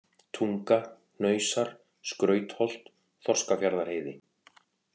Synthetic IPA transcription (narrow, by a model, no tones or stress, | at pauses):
t̪ʰuŋkaɾ | nœːɥsaɾ̥ | skɾœːɥt̪hɔl̥t̪ | θɔr̥skafjaɾðaɾ̥heːjðɪ